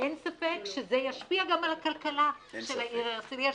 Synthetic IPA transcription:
ensafekʃezejaʃpiaɡamalakalkalaʃelaisiɾia

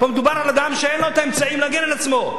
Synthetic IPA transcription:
bomed̪ubaɾalad̪amʃeenloet̪aemt͡saimlaɡenelat͡smo̞

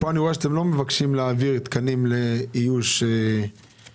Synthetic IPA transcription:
poaniʁoeʃat̪emlo̞me̞vakʃimleaviʁt̪kanimleijuʃe

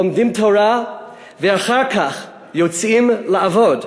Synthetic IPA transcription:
omdimtʰoɾa | vɛaχaʁkaχ | jot͡simlaavɔd

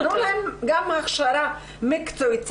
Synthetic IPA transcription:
ɾolemɡamhaχʃaɾa | mekt͡sojt͡s

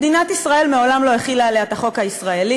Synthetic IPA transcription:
d̪inat̪isʁae̞lmeo̞lamlo̞eχilaleataχo̞khaisʁae̞li

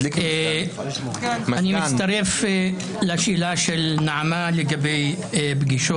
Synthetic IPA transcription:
kː | animɪst̪aɾef | laʃilaʃelnaʕamaleɡabej | bɡiʃo

